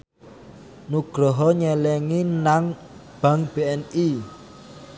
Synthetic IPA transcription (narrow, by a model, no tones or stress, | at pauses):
nuɡ̥ɾɔ̤ɦɔɲɛlɛŋinaŋ | b̥a̤ŋb̥e̤ɛni